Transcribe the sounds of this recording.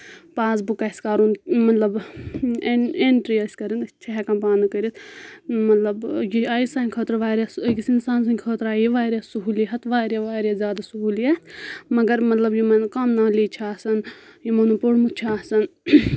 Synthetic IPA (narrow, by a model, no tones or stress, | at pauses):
paːsbukɐskaːɾunmɐt̪lɐb | eeɳʈɾiɐsʲkɐɾinɐt͡ʃʰɐɦɛkɐmpaːnɨkɐɾit̪mɐt̪lɐbjiaːjisãnʲkʰəːt̪ɾʋaːɾʲɐsjisinsaːns̬ɐŋkʲkʰəːt̪ɾaːjiʋaːɾʲjasuɦuːliɦɐt̪ʋaːɾaʋaːɾʲjazʲjaːd̪asuɦuːliamɐɡɐɾmɐt̪lɐbjimɐnkɐmnaːliːt͡ʃʰaːsɐnjimonupuɽmut͡ʃʰaːsɐn